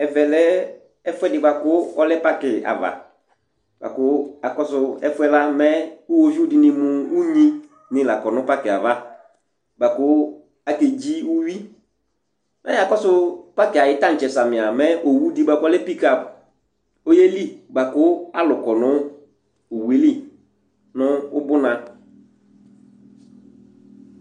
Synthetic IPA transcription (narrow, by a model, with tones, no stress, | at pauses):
ɛ˨vɛ˨lɛ˦ | ɛ˦fɛ˦dɪ˨ba˨kʊ˦ɔ˦lɛ˦pa˦kɪ˨a̰˨va̰˨ | ba̰˨kʊ˦a˨kɔ˦sʊ˦ɛ˦fʊ˦ɛ˦la˦mɛ˦ʊ˦wo˦vi˦ʊ˦dɪ˨nɪ˨mʊ̃˨u˦ɲĩ˦ | nɪ̃˨la˨kɔ˨nʊ̃˦pa˦kɪ˨a˨va˦ | ba˨kʊ˦ | a˨ke˨d͡ʑi˦u˦ɥi˦ | mɛ̰˦a˨kɔ˦sʊ˦pa˦kɪ˨a˨jɪ˨˦ta˦n̩˨t͡ʃɛ˨sa˨mɪ̃˨a˨mɛ˦ʔo˨wu˦di˦ba˨kɔ˦lɛ˦pi˦ka˨p | o˦je˦li˦ba˨kʊ˦a˦lʊ˨kɔ˨nʊ̃˦ | ʊ˨wi˦li˦ | nʊ̃˦ʊ˦bʊ˦nã˨